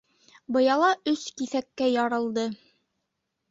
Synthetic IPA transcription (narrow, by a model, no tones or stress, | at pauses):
bɤ̆jɑlˠɑɵskiθækːæjɑɾɤ̆lˠd̪ɤ